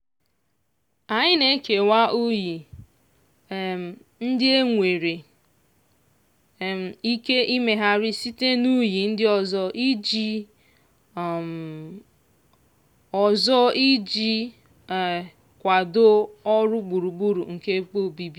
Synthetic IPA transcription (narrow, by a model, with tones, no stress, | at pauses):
a˨ɲɪ˦ne˦ke˨wa˦ʔu˦ji˨ | n̩˦dɪ˦e˦ŋʷe˨ɾe˨ | m̩˨i˦ke˦ʔi˦me˨ɦa˦ɾɪ˦si˦te˦nu˦ji˨n̩˦dɪ˦ɔ˨zɔ˦ʔi˦d͡ʒi˦˨ | ɔ˨zɔ˦i˦d͡ʒi˦˨ | kʷa˨do˦ɔ˦ɾʊ˦ɡ͡bu˨ɾu˨ɡ͡bu˦ɾṵ˨ŋ̩˨ke˦k͡po˦˨bi˦bi˨